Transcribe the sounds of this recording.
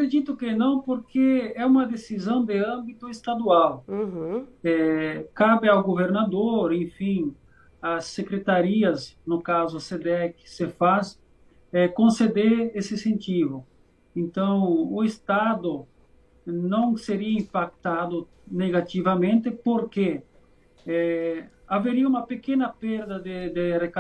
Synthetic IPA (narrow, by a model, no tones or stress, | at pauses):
akɾed͡ʒit̪ʊkɪnɐ̃w̃poɾkeɛũmɐd̪esizɐ̃w̃d̪ɪɐ̃mbit̪ʊest̪ad̪uaw | ɛkabɪawɡoveɾnad̪oɾẽfĩŋ | asːekɾet̪aɾiɐsnʊkazʊased̪eɛkɪ̥sefas | ɛkõnsed̪eɾesɪsẽnt̪ivʊ | ẽnt̪ɐ̃w̃ʊest̪ad̪ʊ | nɐ̃w̃seɾiɐĩmpak̚t̪ad̪ʊ | neɣat̪ivamẽnt̪ɪpoɾke | ɛaveɾiɐũmɐpekẽnɐpeɾd̪ɐd̪ed̪ereka